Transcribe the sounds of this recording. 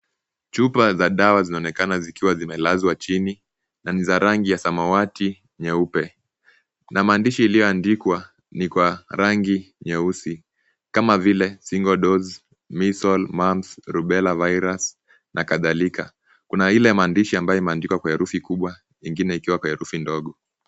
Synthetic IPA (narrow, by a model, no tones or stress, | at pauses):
t͡ʃupazaɗawazinaɔnɛkanazikiwazimɛlazwat͡ʃini | nanizaɾaŋɡijasamawati | ɲɛupɛ | namaːndiʃiilijɔandikwa | nikwaɾaŋɡi | ɲɛusi | kamavilɛsiŋɡɔɗɔz | misɔlmamsɾuɓɛlavajɾas | nakaðalika | kunailɛmaːndiʃiambajɔimɛːndikwakwahɛɾufikuɓwa | jiŋɡinɛikiwakwahɛɾufindɔɠɔ